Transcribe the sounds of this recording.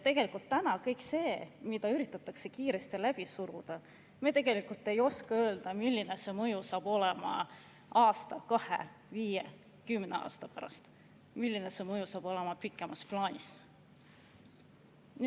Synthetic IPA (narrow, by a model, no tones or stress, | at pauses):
t̪e̞ɡ̥e̞likult̪ːænɑkɤjkˑse̞ːmid̪̥ɑyɾit̪ːˑɑt̪ːˑɑkse̞kiːɾe̞st̪ilæb̥isuɾud̪̥ɑ | me̞t̪e̞ɡ̥e̞likult̪ːˑe̞jo̞skɑø̞ːld̪̥ɑmilʲːine̞se̞mɤjusɑːb̥o̞le̞mɑ̰ | ʔɑːst̪ɑkɑhḛ | viːje | kymne̞̰ɑ̰ːst̪ɑpæɾɑ̰st̪ | milːine̞se̞mɤjusɑːb̥o̞le̞mɑpikːˑe̞mɑsplɑːnʲis | ny